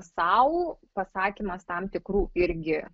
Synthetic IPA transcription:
sɐʊpɐsɑːkʲiːmɐst̪ɐmt̪ʲɪkɾuːɪɾʲɡʲɪ

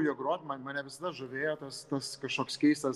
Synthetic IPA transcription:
joɡɾoːt̪ʲmɐnmɑːnʲɛʋʲɪsɐd̪ɐʒʊʋʲeːjoːt̪ɐst̪ɐskɐʃkoːkskʲɛɪst̪ɐs

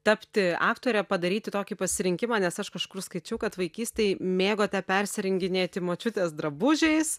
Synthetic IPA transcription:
t̪ɐpʲt̪ʲɪɑ̰ːkt̪oːɾʲɛpɐd̪ɐɾʲiːt̪ʲɪt̪oːkʲiːpɐsʲɪɾʲɪŋʲkʲɪmɑːnʲɛsɐʃkɐʃkʊrskɐɪt͡ʃʲɛʊkɐt̪ʋɐɪkʲiːsʲt̪ʲɛɪmʲeːɡoːt̪ʲɛpʲɛrʲsʲɪɾʲɪŋʲɡʲɪnʲeːt̪ʲɪmoːt͡ʃʲʊt̪ʲeːsd̪ɾɐbʊʒʲɛɪs

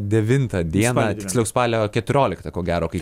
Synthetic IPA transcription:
d̪ʲɛʋʲɪnt̪ɐd̪ʲiɛnɑt̪ʲɪksʲlʲɛʊspɑːlʲɛkʲɛt̪ʊɾʲoːlʲɪkt̪ɐkoːɡʲæːɾoːkɐɪ

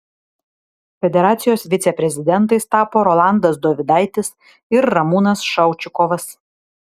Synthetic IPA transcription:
fʲɛd̪ʲɛɾɑːt̪sʲɪjoːsʋʲɪt̪sʲɛpʲɾʲɛzʲɪd̪ʲɛnt̪ɐɪst̪ɑːpoːɾɔlˠɑˑnd̪ɐsd̪oːʋʲɪd̪ɑˑɪt̪ʲɪs | ɪɾːɐmuːnɐsʃɐʊt͡ʃʲʊkɔʋɐs

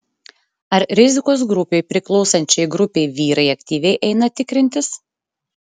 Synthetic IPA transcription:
ɐɾɾʲɪzʲɪkoːsɡɾʊpʲɛɪpʲɾʲɪklˠɒʊsɐnʲt͡ʃʲɛɪɡɾʊpʲeɪʋʲiːɾɐɪɐkʲt̪ʲiːʋʲɛɪʔɛɪnɐt̪ʲɪkɾʲɪnʲt̪ʲɪs

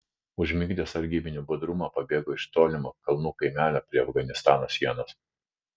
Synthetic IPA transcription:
ʊʒʲmʲɪɡʲd̪ʲeːsɐɾʲɡʲiːbʲɪnʲubʊd̪ɾʊmɑːpɐbʲeːɡoːɪʃt̪oːlʲɪmokɐlˠnuːkɐɪmʲæːlʲoːpʲɾʲiɛɐfɡɐnʲɪst̪ɑːnoːsʲiɛnoːs

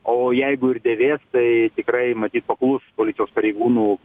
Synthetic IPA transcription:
oːjɛɪɡʊɪd̪ʲeːʋʲeːst̪ɐɪt̪ʲɪkɾɐɪmɐt̪ʲiːt̪̚pɐklˠʊspoːlʲɪt̪sʲɪjoːspɐɾʲɛɪɡuːnuː

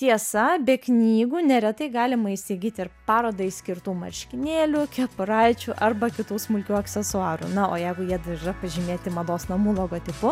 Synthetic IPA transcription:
t̪ʲiɛsɐbʲɛknʲiːɡuːnʲɛɾʲɛt̪ɐɪɡɑːlʲɪmɐɪsʲiɡʲiːt̪ʲɪɾpɑːɾoːd̪ɐɪsʲkʲɪɾt̪uːmɐ̰ɾʲʃʲkʲɪnʲeːlʲʊkʲɛpʊɾɐɪt͡ʃʲʊʔɐrbɐkʲɪt̪uːsmʊlʲkʲuːɐksʲɛsʊɑːɾṵnɐoːjɛɪɡʊjiɛd̪ɐɾirɐpɐʒʲɪmʲeːt̪ʲɪmɐd̪oːsnɐmuːlˠoːɡoːt̪ʲɪpʊ

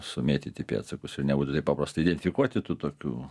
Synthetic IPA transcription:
sʊmʲeːt̪ʲɪt̪ʲɪpʲḛɐ̰t̪sɐkʊsʲɪɾnʲɛbuːt̪ʊt̪ɐɪpɑpɾɐst̪ɐɪːd̪ʲɛnʲt̪ʲɪfʲɪkuɔt̪ʲɪt̪uːt̪oːkʲṵː

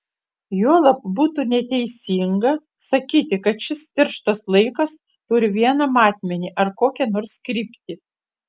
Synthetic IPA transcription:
juɔlˠɐp̚buːt̪unʲɛt̪ʲɛɪsʲiːŋɡɐ | sɐkʲiːt̪ʲɪkɐt̪ʃʲɪst̪ʲɪɾʃt̪ɐslˠɐɪkɐs | t̪ʊɾʲɪʋʲiɛnɐmɑːt̪ʲmʲɛnʲiːʔɐɾkoːkʲɛnoɾskɾʲiːpʲt̪ʲɪ

